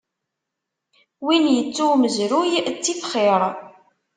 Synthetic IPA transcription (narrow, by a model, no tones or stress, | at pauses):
winjət͡sːuməzɾujt͡sːiθχeɾˤ